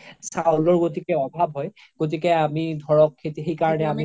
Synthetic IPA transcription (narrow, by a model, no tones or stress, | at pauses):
sawlɔɹɡotikɛɔbʱab̚ʱɦɔj | ɡ̥ot̬ikɛamidʱɔɹɔkʰːetixejkaɹɔnɛami